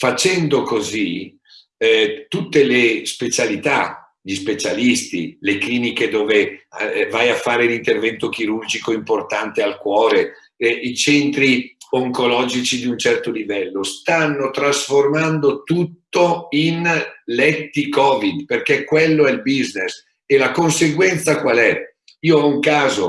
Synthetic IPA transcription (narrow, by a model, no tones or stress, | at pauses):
fat͡ʃɛnd̪okozi | t̪ut̪ːelespet͡ʃalit̪a | ʎispet͡ʃalist̪ḭlekliːniked̪oːvevajafːaːɾeunint̪ervɛnt̪ok̟iɾurd͡ʒikoimport̪ant̪ealkwɔːɾe | it͡ʃɛnt̪ɾioŋkolɔːd͡ʒit͡ʃid̪iunt͡ʃɛrt̪olivɛlːost̪anːot̪ɾasformand̪ot̪ut̪ːoinlɛt̪ːikɔːvid̪perkɛkːwelːoɛlbiznes | elakonseɡwɛnt̪sakwalɛ | iːoɔuŋkaːzo